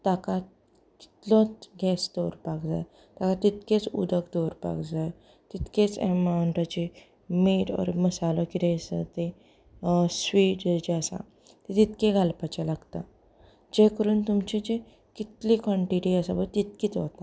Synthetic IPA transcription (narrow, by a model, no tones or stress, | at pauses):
t̪akat̪ | ki̥t̪lɔɡɛsd̪ɔɾpakd͡za̰j | t̪akat̪it̪ket͡sṵd̪əkd̪oɾpa̰kd͡zaj | t̪it̪ket͡semawɳʈat͡ɕe | meʈɔ̰ɾməsalɔkit̪esə̰t̪e | sʋiːʈd͡ʑeəsã̰ | t̪et̪it̪keɡʱalpat͡ɕalaɡt̪a | d͡ʑekəɾuːnt̪umt͡ɕid͡ʑe | kit̪likɔ̃ɳʈiʈiəsabət̪it̪̚kiːt͡sʋot̪a